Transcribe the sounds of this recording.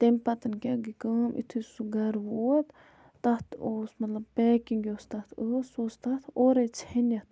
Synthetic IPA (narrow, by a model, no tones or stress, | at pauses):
t̪emʲpɐt̪ɐnkʲaɡikaːmʔḭt̪ʰɨsuɡɐɾwoːt̪ | t̪ɐt̪ʰoːsmɐt̪lɐb̚bɛːkiŋɡost̪ɐt̪ʰəsoːst̪ɐt̪ʰoːɾɐt͡sʰenjɐt̪